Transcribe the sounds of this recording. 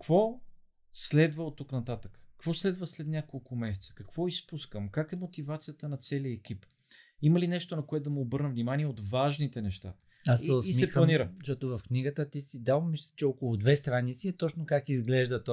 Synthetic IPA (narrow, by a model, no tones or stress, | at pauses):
kvɔ | slɛd̪vəot̪ːuknɐt̪at̪ə̥kə̥kvɔslɛd̪vəslɛd̪nʲakolˠkʊmɛsɛ̥t̪sə̥kɐkvɔispuskəmkakɛmot̪ivat̪sijət̪ənɐt̪sɛliɛkʲip | iməlinɛʃt̪onɐkoɛt̪d̪ɐmɛobɤɾnəvnimaniɛot̪vaʒnit̪ɛnɛʃt̪a̰ | asɛosimiɛxplˠɐmniɾətɔt̪ovɐfkniɡət̪ət̪isid̪avmmislʲit͡ʃɛɔkolˠʊd̪vɛst̪ɾanit̪siɛt̪ɔt͡ʃnokakizɡlɛʒd̪ət̪ɔ